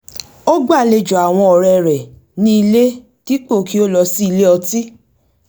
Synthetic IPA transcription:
o˦ɡ͡ba˦˨le˧d͡ʒo˨a˨w̃ɔ̃˧ɔ˨ɾɛ˨ɾɛ˨ | nĩ˦i˧le˦ | ti˦k͡po˦˨ki˦o˦lɔ˧si˦˧le˦ɔ˧ti˦

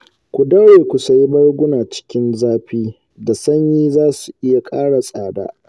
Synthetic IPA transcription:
kʷu˨dɐ˦ɽeː˨kʷʊ˨sa˨ji˦bɐ˦rɡʷʊ˦naː˨t͡ʃɪ̥˦kʲɪ˦nzaː˦ɸiː˦ | da˨sɐ˦ɲjiː˦zaː˦su˨ʔɪ˦ja˨kʼaː˦ɽa˨sʼaː˨da̰ː˦

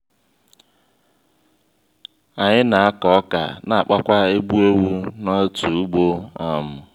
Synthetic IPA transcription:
a˨ɲɪ˦na˨a˦kɔ˨ɔ˦ka̰˨na˨a˨k͡pa˦kʷa˦e˦ɡ͡bu˦o˦wu˦nɔ˦tu˨u˦ɡ͡bo˦a˦mʊ˨

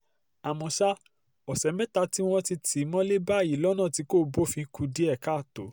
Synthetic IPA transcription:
a˨mɔ̃˧ʃa˦ | ɔ˨sɛ˨˦mɛ̃˦ta˧ti˦w̃ɔ̃˧ti˧tʰi˨˦mɔ̃˦le˦ba˦˨i˨˦lɔ˦nã˦˨ti˨˧˦ko˦bo˦˨fĩ˧˦ku˧di˦ɛ˦˨ka˦˨to˨˦

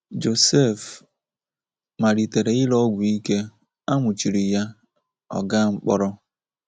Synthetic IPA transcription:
d͡ʒo˨se˦˨f | ma˨ɾi˨te˨ɾe˨ɪ˦lɔ˦ɡʷʊ˨i˦ke˦ | a˦ŋʷʊ˨t͡ʃi˨ɾi˨ja˦ | ɔ̰˨ɡa˦ŋ͡m̩˦k͡pɔ˦ɾɔ˦

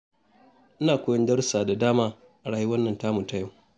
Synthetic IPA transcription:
ʔɪ˦naː˨kʷʊː˦jɔ˦ndɐ˦rsaː˨da˨daː˦maː˦ | ʔa˨ɽaː˨ji˦wɐ˦nːɐ˨ntaː˦mʊ˨ta˦jɐ˦w

